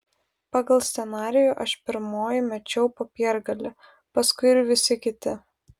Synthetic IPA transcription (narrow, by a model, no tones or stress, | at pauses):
pɑːɡɐlˠsʲt̪ʲɛnɑːɾʲɪjuːʔɐʃpʲɪɾmoːjɪmʲɛt͡ʃʲɛʊpoːpʲiɛɾɡɐlʲɪ | pɐskʊɪɪɾʋʲɪsʲɪkʲɪt̪ʲɪ